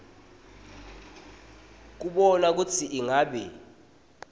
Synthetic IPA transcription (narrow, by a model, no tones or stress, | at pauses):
k̬uɓɔnak̬utʰiʔiŋaːɓɛ